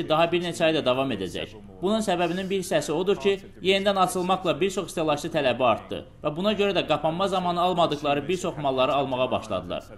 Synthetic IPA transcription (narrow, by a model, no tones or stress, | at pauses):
id̪ɑɦɑbiɾnet͡ʃʰæɑjd̪ɑd̪ɑvɑme̞d̪æ̰d͡ʒæ̰ç | b̥ununsæbæbininbiɾisæsio̞d̪uɾcʰi | je̞nid̪ænɑt͡ʃʰɯlˠmɑχlˠɑbiɾt͡ʃʰo̞χist̪ʰelˠɑʃsɯt̪ʰælæbiɑɾt̪d̪ɯ̰ | væbunɑɟø̞ɾæd̪æɡɑpʰɑmmɑzɑmɑnɯɑlˠmɑd̪ɯɣlˠɑɾɯbiɾt͡ʃʰo̞χmɑlˠːɑɾɯɑlˠmɑʁɑbɑ̰ʃlˠɑ̰d̪ɯlˠɑ̰ɾ